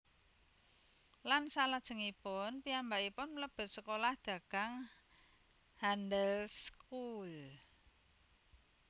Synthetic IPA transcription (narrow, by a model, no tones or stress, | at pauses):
lansalad̥ʒ̥ə̤ŋipʊnpiambaipʊnmləb̥ə̤t̪̚səkolahd̪̥a̤kaŋ | handəlskul